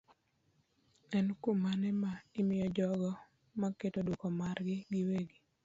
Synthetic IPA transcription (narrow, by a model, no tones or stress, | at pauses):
ɛnkumanɛmaɪmɪjɔd͡ʒɔɡɔ | makːetodukɔmaɾɡɪɡɪweɡi